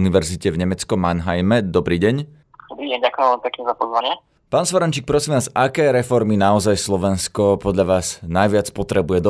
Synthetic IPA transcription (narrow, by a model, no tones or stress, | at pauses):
niʋɛɾzicɛvɲɛmɛt͡skɔmanɦajmɛd̪ɔbɾiːɟɛɲ | d̪ɔbɾiːɟɛɲɟakʊjɛ̃mʋɛlmipɛkɲɛzapɔzʋaɲɪa | paːnsʋɔɾant͡ʃiːk̚pɾɔsiːmʋaːzakɛːɾɛfɔɾminaɔzajslˠɔʋɛnskɔpɔd̪ʎaʋaːznajʋɪat͡spɔt̪ɾɛbujɛd̪ɔ